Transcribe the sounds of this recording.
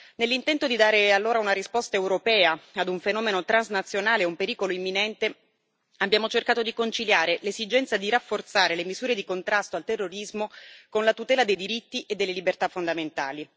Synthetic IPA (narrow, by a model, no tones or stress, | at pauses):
nelːint̪ɛnt̪od̪id̪aːɾealːoːɾaunaɾispɔst̪aewɾopɛːaad̪uɱfenɔːmenot̪ɾanznat̪sːjonaːleumpeɾiːkoloimːinɛnt̪e | abːjaːmot͡ʃerkaːt̪od̪ikont͡ʃiljaːɾelezid͡ʒɛnt̪sad̪iɾafːort̪saːɾelemizuːɾed̪ikont̪ɾast̪oalt̪erːoɾizmokonlat̪ut̪ɛːlad̪ejd̪iɾit̪ːiʔed̪ːelːelibert̪afːond̪ament̪a̰ːli